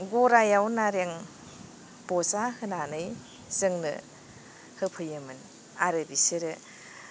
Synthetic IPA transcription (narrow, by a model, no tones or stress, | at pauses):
ɡoɾajawnaɾeŋ | b̥ɔsahɯnanɯj | zɯŋnɯ̰ | hɯpʰɯjɯmɯn | aɾɯbiseɾɯ